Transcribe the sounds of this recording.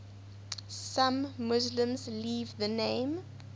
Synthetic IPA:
sãmːʊzlə̃mzliːvðənẽɪ̃m

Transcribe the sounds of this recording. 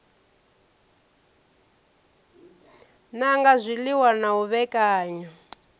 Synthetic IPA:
naŋɡazʷiliwanauβɛkʼaːɲɔ

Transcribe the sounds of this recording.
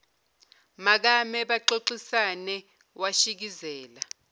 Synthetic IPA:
mak̬amɛɓaǃoǀisanɛ | waʃik̬izɛːla

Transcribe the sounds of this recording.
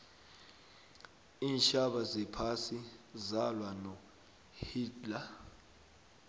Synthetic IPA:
iːnʃaɓazɛpʰasizalwanɔ | hiːdla

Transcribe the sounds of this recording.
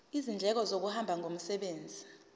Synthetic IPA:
izind͡ɮʱɛk̬ɔzok̬uhambʱaŋom̩sɛɓeːnd͡zʱi

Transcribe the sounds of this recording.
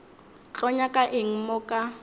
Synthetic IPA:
t͡ɬʼɔɲakʼaʔɪŋ̩mɔkʼa

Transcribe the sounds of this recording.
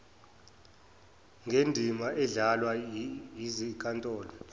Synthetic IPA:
ŋʱendʱimaʔɛɮalwajizikʼantʼɔːlɔ

